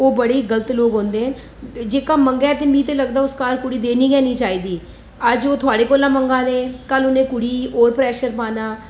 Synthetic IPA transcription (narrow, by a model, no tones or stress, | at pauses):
oːbəɽeːɡələt̪loːɡɦõːnd̪eːɦɛ̃ː | d͡ʒeːkaːməŋɡaɛːt̪eːmĩːt̪eːləɡd̪aːʊskaːɾkʊɽiːd̪eːniːkɛːniːt͡ʃaːiːd̪iː | əd͡ʒoːt̪ʰʊaːɽeːkoːlãːməŋɡaːnẽːkəlʊnẽːkʊɽiːoːɾpɾɛːʃəɾpaːnaː